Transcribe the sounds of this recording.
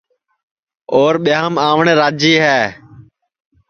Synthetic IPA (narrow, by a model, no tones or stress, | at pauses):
oːɾɓɪjãːəmaːʋɳẽːɾaːd͡ʒiːɦɛː